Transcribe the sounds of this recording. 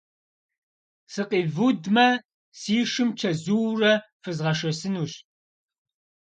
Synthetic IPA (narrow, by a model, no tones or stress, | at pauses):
sɨqiːvudmɐ | siːʂɨmt͡ʃʰɐzuːrɐ | fɨzʁɐʂɐsɨnuːɕʼ